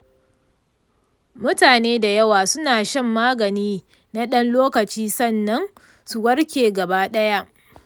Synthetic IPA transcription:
mʊ˦taː˨neː˦da˨jɐ˦waː˨sʊ˦naː˨ʃɐ˦mːaː˦ɡɐ˨niː˦ | na˦ɗɐ˦nloː˦kɐ˨t͡ʃiː˦sɐ˦˨nːɐ˦n | su˨wɐ˦ɽkʲeː˨ɡɐ˨baː˦ɗɐ˦ja˦ʔ

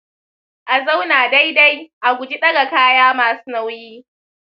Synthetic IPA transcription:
ʔa˨za˦wnaː˨da˦jda˦jʔa˨ɡʷʊ˨d͡ʒi˦ɗɐ˦ɡa˨kaː˦jaː˦maː˨su̥˦na˦wjiː˦

